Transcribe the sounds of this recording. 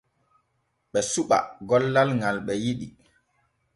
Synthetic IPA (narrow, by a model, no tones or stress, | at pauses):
ɓɛsuɓa̰ɡɔlːalŋalɓɛjiɗi